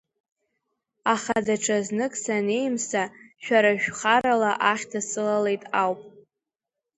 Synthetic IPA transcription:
aχadaʈ͡ʂʰaznɨkʼsane̞jmsaʃᶣaɾaʒᶣʷχaɾalaʔaχʲtʰasɨlale̞jtʼawpʼ

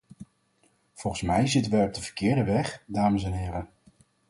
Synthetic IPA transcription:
v̥ɔlˠχənsmɛjzɪtənʋɛjɔb̚dəvə̥kɪːɹdəʋɛχdaːməsɛnɦɪːrə

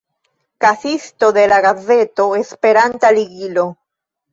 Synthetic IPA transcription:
kasist̪o̞ðe̞laɣaze̞t̪o̞espeɾant̪aliɡilo

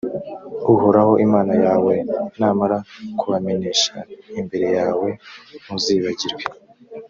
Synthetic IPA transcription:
uhoɾaho̞ʔimaːnajaːwe̞naːmaɾakʰuβame̞neːʃaimbe̞ɾe̞jaːwe̞muziːβaɟiɾɡe

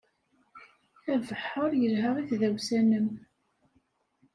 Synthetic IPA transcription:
ævəħːoɾjəlɦəʁiθðæwsænəm

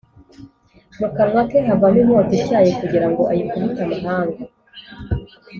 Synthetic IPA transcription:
mukaɾwateɦavamimoːtecaːjekuɟiɾaŋɡo̞ʔajikuβitamaɦaːŋɡa

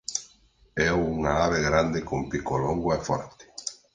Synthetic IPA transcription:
ɛwuŋaaβeɣɾand̪ekompikoloŋɡwaefɔ̰ɾt̪ɪ̥

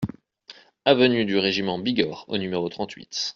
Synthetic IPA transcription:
avənyd̪yʁeʒimɑ̃biɡɔʁo̰nymeʁot̪χɑ̃t̪ʰɥḭt̪

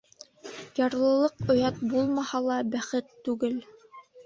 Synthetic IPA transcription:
jɑɾlˠɤ̆lˠɤqŏjɑt̪̚bulˠmɑhɑlˠɑbæχɘt̪ːʉɡɘl

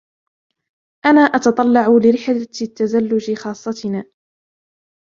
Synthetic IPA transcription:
ʔanaːʔɑt̪ɑt̪ˤɑlːɑʕʊlɪɾɪħlt̪ːazalːʊd͡ʒɪxɑːsˤːɑt̪ɪnaː

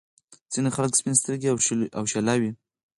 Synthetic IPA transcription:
z̥inexaləkspinst̪əɾɡiaawʃalawi

